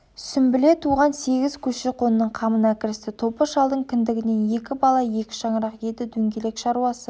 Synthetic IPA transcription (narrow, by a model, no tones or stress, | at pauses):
sʏmbɪle̞t̪ʰuʁɑnse̞ɡʲɪz̥kʲʰɵʃeqʰo̞nənːəɴqʰɑmənɑkʲɪɾɪst̪ɪt̪ʰo̞pəʃɑlˠd̪əɴkʲʰɪnd̪ɪɡʲɪne̞nje̞kʲɪbɑlˠɑje̞kʲɪ̥ʃɑɴəɾɑqje̞d̪ɪd̪ɵŋɡʲe̞le̞kʃɑɾuɑsə